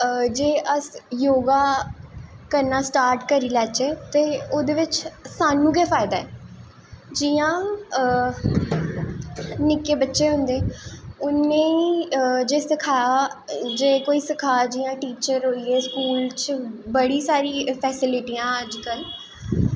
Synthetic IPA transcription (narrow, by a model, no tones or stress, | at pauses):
d͡ʒeːʔəsjoːɡaː | kəɾnaːsʈaːɾʈkəɾiːlɛːt͡ʃeːt̪eːoːd̪eːʋɪt͡ʃsaːnũːɡeːpʰaːɪd̪aːɛː | d͡ʒiːãː | nɪkeːbətːʃeːɦʊ̃nd̪eːʊnːẽːid͡ʒeːsəkʰaːd͡ʒeːkoːiːsəkʰaːd͡ʒiːjãːʈiːt͡ʃəɾɦoːiːɛːskuːlt͡ʃbəɽiːsaːɾiːpʰɛːsɪlɪʈiːãːəd͡ʒkəl